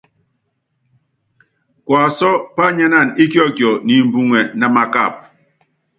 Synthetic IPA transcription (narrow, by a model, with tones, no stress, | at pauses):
kwa˨sɔ˦pa˦ɲa˦na˦˨ni˦kjɔ˦˨kjɔ˨ni˨m̩˨bu˦ŋɛ˨na˦ma˦ka̰˦˨p̚